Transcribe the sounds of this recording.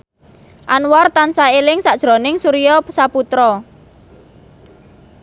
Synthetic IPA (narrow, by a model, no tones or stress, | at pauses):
ʔanwɔrt̪ansaelɪŋsaʔd̥ʒ̥ɾo̤nɪŋsuɾijɔsaput̪ɾɔ